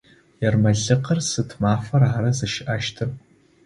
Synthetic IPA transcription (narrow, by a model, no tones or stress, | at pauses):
jɛrmɐɮɨqərsɨtʰmaːfɐraːɾɐzɐʃɪʔaːʃtʰɨr